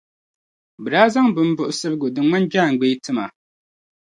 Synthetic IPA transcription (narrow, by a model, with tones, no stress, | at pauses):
bɨ˨daː˦za˦ŋbɨ˨m̩˦bʊ˨ʔʊ˨sɨ˦bɨ˦ɡʊ˨dɨ˨ma˦nd͡ʒaː˦˨ŋ̩˨ɡ͡be˦tɨ˦ma˨